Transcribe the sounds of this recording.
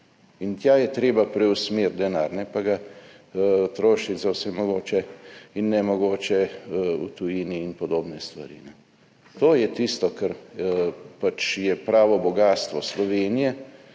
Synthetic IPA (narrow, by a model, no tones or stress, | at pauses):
int̪jaːjɛt̪ɾeːbapɾɛusmeɾt̪d̪ɛnaːɾnɛpaɡa | t̪ɾoːʃit̪zawsɛmɔɡoːt͡ʃɛinːɛmɔɡoːt͡ʃɛṵt̪ujiːniːnpɔd̪oːbnɛst̪ʋɐ̰ɾḭnɛ | t̪oːjɛt̪ist̪ɔkɛɾ | pat͡ʃjɛpɾaːʋɔbɔɡaːst̪ʋɔslɔʋeːnijɛ